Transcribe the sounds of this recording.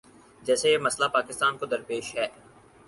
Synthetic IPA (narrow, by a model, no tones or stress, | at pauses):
d͡ʒɛːsejemɐslapaːkɪst̪aːnkod̪ɐɾpeːʃɦɛː